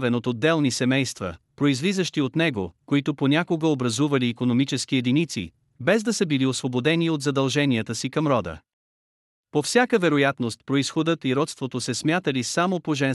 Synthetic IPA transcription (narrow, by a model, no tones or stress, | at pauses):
vɛnot̪od̪ːɛlˠnisɛmɛjst̪və̰pɾoizvizəʃt̪iot̪nɛɡokoit̪oponʲakoɡəobɾɐzuvɐliːkonomit͡ʃɛsk̟iɛd̪init̪sḭ | bɛzd̪ɐsəbiliosvobod̪ɛniot̪zɐd̪ɐlˠʒɛniət̪əsikɐmɾɔd̪ə̰ | pofsʲjakəvɛɾojat̪nost̪pɾoisxod̪ət̪iɾɔt̪st̪vot̪osɛsmʲjat̪əlisamopoʒɛ